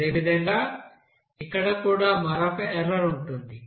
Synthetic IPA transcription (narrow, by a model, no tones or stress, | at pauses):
eːʋid̪ɐŋɡaː | ikːɐɽɐkuːɽaːmɐɾakɐʔɛɾɐɾuɳʈund̪i